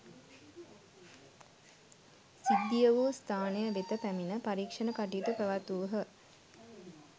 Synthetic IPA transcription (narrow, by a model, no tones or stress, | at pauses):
sid̪ːijəʋust̪ʰaːnejəʋet̪əpæminəpaɾiːkʂənəkaʈiːt̪upæʋat̪uʋəɦə